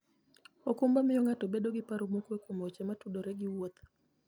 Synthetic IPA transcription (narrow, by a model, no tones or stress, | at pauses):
okumbamɪjɔŋatobeɗoɡɪpaɾomukwekomɔt͡ʃɛmatuɗoɾɛɡɪwɔt̪